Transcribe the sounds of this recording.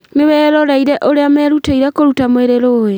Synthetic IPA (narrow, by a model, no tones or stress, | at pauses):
neβɛːɾɔɾaiɾɛʔoɾeamɛːɾutaiɾɛkoɾutamweɾeɾoːje